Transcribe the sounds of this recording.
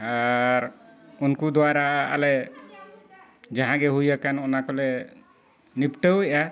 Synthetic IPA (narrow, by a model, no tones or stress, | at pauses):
aɾunkud̪ɔwaɾaʔaalɛ | d͡ʒaɦãɡɛɦujakanɔnakɔlɛ | nipʈəwɛʔa